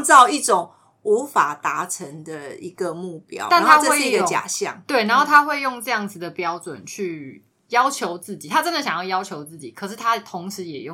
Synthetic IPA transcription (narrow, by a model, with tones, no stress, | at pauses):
t͡sɑ˥˧ʊi˥˩ʈ͡ʂo˨˩ŋ | u˧˥fa˨˩t̪a˧˦ʈ͡ʂʰə˧˦ŋd̪ə˨i˧˥ɡə˨mu˥˩pjɑ̰˥ʊt̪a˥˩nt̪ʰa˦˥xə˥we˥˧˥i˧˥ɡə˧t͡ɕja̰˨˩ɕjɑ̰˥˩ŋt̪we˥˩ɪna˧˦nxo˥˩t̪ʰa˥xwe˥˧ɪjo˥˧ŋʈ͡ʂɤ˥˧jɑ˥˩ŋd͡zɹ̩˨˩d̪ə˩pjɑ˥ʊʈ͡ʂwə̰˨˩nt͡ɕʰy˥˩ | jɑ˥ʊt͡ɕʰjo˧˦ʊt͡sɹ̩˥˩t͡ɕi˨˩t̪ʰa˥t͡sə˦˥nd̪ə˨˩ɕjɑ˨ŋjɑ˥˩ʊjɑ˥ʊt͡ɕʰjo˧˥ʊt͡sɹ̩˥˩t͡ɕi˨˩kʰɤ˨˩ʂ̬ɻ̩˥˩t̪ʰa˦˥t̪ʰʊ˧˦ŋʂɻ̩˧˦jɛ˨˩jo˥˩˨ŋ